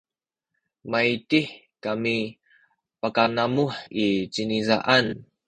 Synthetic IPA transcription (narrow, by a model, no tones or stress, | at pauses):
maitiħ | kami | pakanamuħit͡ɕiniza̰ʔan